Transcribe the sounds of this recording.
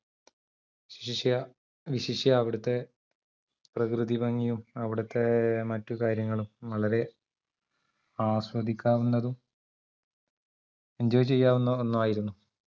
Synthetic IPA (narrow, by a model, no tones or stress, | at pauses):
iɕiɕiɕjɐ | ʋiɕiʂjɐːʋiɽut̪ːe̞ | prɐkrɨðibɐŋːijumɐʋiɽut̪ːe̞mɐtːukaːɾjɐŋːɐɭumʋɐɭɐɾe̞ | aːɕwɐd̪ʱikʲːaːʋunːɐðum | ɐɲd͡ʑoːjt͡ɕːt͡ɕe̞jːaːʋunːɐonːumaːjiɾunːu